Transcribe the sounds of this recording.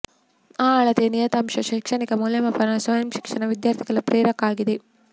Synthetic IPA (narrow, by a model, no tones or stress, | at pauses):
aːɐɭɐt̪enijɐt̪ɐmʃɐʃiːkʂɐnikɐmuljɐmɐpʰɐɾɐsʋɐjɐmʃi̥kʂɐnɐʋid̪jaːɾt̪ʰiɡɐlɐpɾeːɾɐkaːɡid̪e